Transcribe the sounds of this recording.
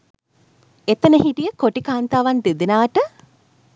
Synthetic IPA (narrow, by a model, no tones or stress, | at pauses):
et̪ənəhɦiʈijəkoʈikaːnt̪aːʋand̪id̪inaːʈə